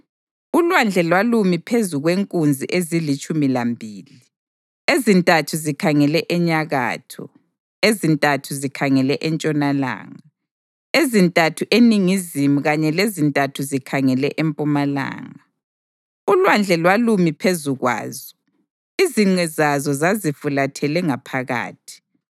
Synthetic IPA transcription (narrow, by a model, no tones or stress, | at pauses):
ulwand͡ɮʱɛlwalumipʰezuɣweŋkʼund͡zʱiʔezilit͡ʃʼumilambʱiːlii | ezintʼatʰuzikʰaŋɛlɛʔɛɲaɣa̰ːtʰɔ̰ | ezintʼatʰuzikʰaŋɛlɛʔɛnt͡ʃʼɔnala̰ːŋa | ezintʼatʰuʔeniŋizimuɣaɲɛlezintʼatʰuzikʰaŋɛlɛ̰ʔempʼumala̰ːŋa | ulwand͡ɮʱɛlwalumipʰezuɣwa̰ːzɔ̥ | iziŋ͡ǀɛzazɔzazifulatʰɛlɛŋapʰaɣa̰ːtʰi̥